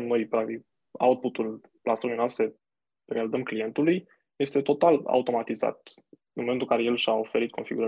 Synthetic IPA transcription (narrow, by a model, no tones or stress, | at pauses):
nno̞jpɾak̚t̪ik | a̰wt̪̚put̪ul | plasonenwast̪ɾe | ɾealid̪əmklije̞nt̪uluj | je̞st̪e̞t̪o̞t̪ala̰ut̪o̞mat̪iza̰t̪ | ɨnmment̪ulkaɾe̞je̞lʃaofe̞ɾit̪̚kʰo̞nfiɡuɾə